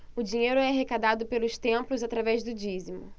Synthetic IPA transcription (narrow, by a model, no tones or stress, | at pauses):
ʊd͡ʒĩɲejɾʊɛɦekad̪ad̪ʊpelʊst̪ẽplʊzat̪ɾavɛzd̪ʊd͡ʒizimʊ̰